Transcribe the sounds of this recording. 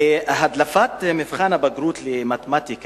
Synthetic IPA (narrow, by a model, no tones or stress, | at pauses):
ɦad̪lafaːt̪mɪfχaːnabaɡɾuːt̪lɪmat̪mat̪ik